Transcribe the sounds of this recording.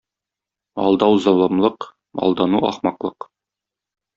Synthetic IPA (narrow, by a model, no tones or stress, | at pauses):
ɒ̰lˠd̪ɑwzɑlˠɑmlˠɤq | ɒ̰lˠd̪ɑnuɒ̰χmɑqlˠɤq